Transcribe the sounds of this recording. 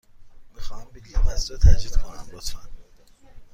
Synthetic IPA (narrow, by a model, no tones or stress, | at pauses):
mixɒːhæmbilimæsɾɔt̪ʰæd͡ʒiːd̪̥kʰonæ̰mɾot̪ʰmæn